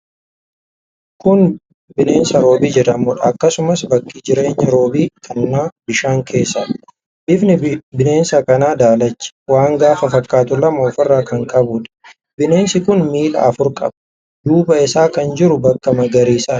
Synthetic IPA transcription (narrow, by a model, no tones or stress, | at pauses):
kʊn | bɪne̞ːnsɐɾo̞ːbiːd͡ʒɛᶑɐmːɔᶑɐːkːɐsʊmɐsbɐkːid͡ʒɪɾe̞ːɲːɐɾo̞ːbiːk̪ʰʼɐnːaːbɪʃaːŋkʰe̞ːsːɐ | bɪfnɪbɪne̞ːnsɐkɐnaːd̪aːlɐt͡ʃːɪ̥waːŋɡaːfɐfɐkːaːt̪ʊlɐmɐɔfɐrːaːkɐŋkʼɐbuːᶑɐ̥ | bɪne̞ːnsɪkʊnmiːlɐ̰ːfʊɾkʼɐ̰bɐ̥ | d̪uːbɐɪsaːkɐnd͡ʒɪɾʊbɐkːɐmɐɡɐɾiːsaː